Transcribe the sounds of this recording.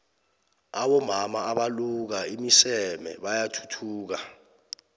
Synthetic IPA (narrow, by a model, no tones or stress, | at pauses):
aɓɔmamaaɓaluk̬aimisɛmɛ̰ɓajatʰu̥tʰuːk̬a